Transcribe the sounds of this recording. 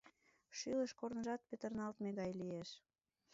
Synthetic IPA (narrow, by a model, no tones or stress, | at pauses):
ʃyləʃkornə̆ʒɑt̪̚pet̪ərnɑlt̪meɣɑjlieʃ